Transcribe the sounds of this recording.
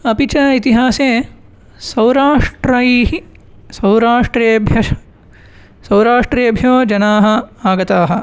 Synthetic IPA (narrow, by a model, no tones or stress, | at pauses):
ɐpit͡ʃɐit̪iɦaːseː | sɐwɾaːʂʈɾɐiɦi | sɐwɾaːʂʈɾeːɐbʱjɐʃɐ̥ | sɐwɾaːʂʈɾeːɐbʱjoːd͡ʒɐnaːɦɐ̆aːɡɐt̪aːɦɐ̆